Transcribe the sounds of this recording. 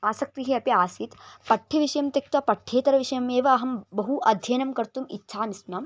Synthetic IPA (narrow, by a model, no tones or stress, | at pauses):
aːsɐk̚t̪iɦeɐpiaːsit̪pɐʈʰːɐʋiʃɐjɐmt̪ek̚t̪ʋɐpɐʈʰːeːt̪ɐɾɐʋiʂɐjɐmeːʋɐːɦɐmbɐɦuʔɐd̪ʱjɐnɐmkɐɾt̪umitːʃʰaːnisnɐːm